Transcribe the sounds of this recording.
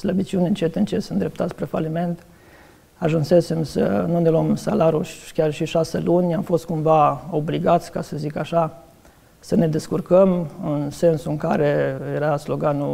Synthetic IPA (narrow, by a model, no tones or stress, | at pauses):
sləbit͡ʃiuneɨnt͡ʃet̪ɨnt͡ʃesənd̪ɾe̞p̚t̪at̪sʲpɾefalime̞nt̪ | aʒunse̞se̞msənuneluomsalaɾuʃkʲarʃiʃaselunʲamfo̞st̪̚kumvao̞bliɡat̪sʲkasəzikaʃa | səne̞d̪e̞skurkəmɨnse̞nsuɨŋkaɾe̞jeɾaslo̞ɡanu